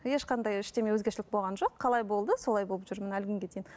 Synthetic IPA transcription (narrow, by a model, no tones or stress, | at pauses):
je̞ʃqɑnd̪ɑjɪʃt̪e̞me̞wɵzɡʲe̞ɾʃɪlɪk̚bo̞lˠʁɑnʒo̞qʰːɑlˠɑjbo̞lˠd̪əso̞lˠɑjbo̞lˠəpʒ̥ʏɾmɪnælɡʲʏŋɡʲe̞d̪ejɪn